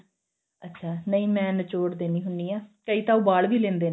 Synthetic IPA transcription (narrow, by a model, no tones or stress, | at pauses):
ətːʃʰaːnəĩːmɛ̃ːnt͡ʃoːɽd̪eːnĩːɦʊniːaːkəiːt̪ãːubaːɭʋiːlẽːnd̪eː